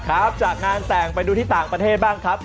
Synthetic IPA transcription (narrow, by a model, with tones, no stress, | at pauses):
kʰɾa˦˥p̚t͡ɕaː˨˩k̚ŋaː˧nsɛː˨˩ŋpa˧jduː˧t̪ʰiː˥˩t̪aː˨˩ŋpɾa˧t̪ʰeː˥˩t̪̚baː˥˩ŋkʰɾa˦˥p̚